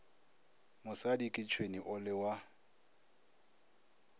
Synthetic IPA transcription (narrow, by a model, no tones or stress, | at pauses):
mʊsadikʼɪt͡ʃʰweniʔʊlɪwa